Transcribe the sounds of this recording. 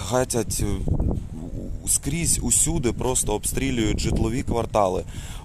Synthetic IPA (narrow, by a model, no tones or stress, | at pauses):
xatʲɐtʲ | skɾʲizʲusʲud̪ɪpɾɔst̪ɔːpst̪ɾʲilʲʊjʊtʲʒɪt̪lˠɔʋʲikʋɐrt̪ɑlˠɪ